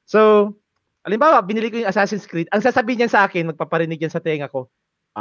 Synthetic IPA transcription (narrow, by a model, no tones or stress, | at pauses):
so | ʔɐlɪmbaːwɐbɪnɪlɪkojʊŋʔɐsaːsɪnskɾit̪̚ʔɐŋsaːsɐbiːhɪɲjɐnsɐʔaːkɪnmɐɡ̚papɐɾɪnɪɡ̚jɐnsɐt̪ɛŋɐko̞